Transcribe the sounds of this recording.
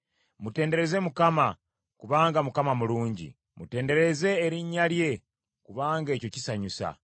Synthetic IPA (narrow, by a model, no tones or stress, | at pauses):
mute̞ːnde̞ɾe̞ze̞mukama | kuβaːŋɡamukamamuluːɲɟḭ | mute̞ːnde̞ɾe̞ze̞ːɾiɲːalje̞ | kuβaːŋɡe̞ːco̞cisaɲusa̰